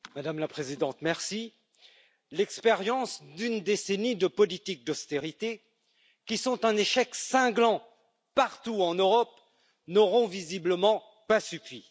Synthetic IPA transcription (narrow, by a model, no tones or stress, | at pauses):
mad̪amlapχezid̪ɑ̃t̪mɛʁsi | lɛkspeʁjɑ̃sd̪ynd̪esenid̪əpɔlit̪ik̚d̪ɔst̪eʁit̪e | kʲisɔ̃t̪ɛ̃neʃɛksɛ̃ɡlɑ̃ | paʁt̪uɑ̃nøʁɔp | nɔʁɔ̃vizibləmɑ̃ | pasyfi